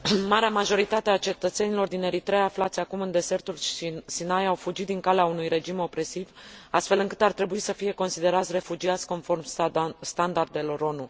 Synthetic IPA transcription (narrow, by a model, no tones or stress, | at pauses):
maɾeamaʒo̞ɾit̪at̪eat͡ʃe̞t̪ət̪se̞nilo̞rd̪ine̞ɾit̪ɾeaːflat̪sʲakumɨnd̪e̞ze̞rt̪ulsinajawfud͡ʒit̪̚d̪iŋkaleaunujɾe̞d͡ʒimo̞pɾe̞sivast̪fe̞lɨŋkɨt̪art̪ɾe̞buisəfije̞ko̞nsid̪e̞ɾat̪sʲre̞fud͡ʒiat̪sʲko̞nfo̞rmst̪and̪ard̪e̞lo̞ɾo̞nu